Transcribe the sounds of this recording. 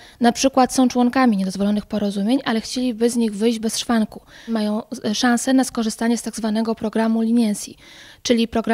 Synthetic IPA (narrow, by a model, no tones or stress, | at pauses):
napʂɘkwat̪sɔ̃w̃t͡ʂwɔŋkamʲiɲɛd̪ɔzvɔlɔnɘxpɔɾɔzumʲjeɲʔalɛxt͡ɕelʲibɘzɲiɣvɘjʑd͡ʑbɛsʂfaŋkumajɔ̃w̃ʂãw̃sɛnaskɔʐɘst̪aɲɛst̪aɡzvanɛɡɔpɾɔɡɾamulʲiɲɛnsʲit͡ʂɘlʲipɾɔɡɾa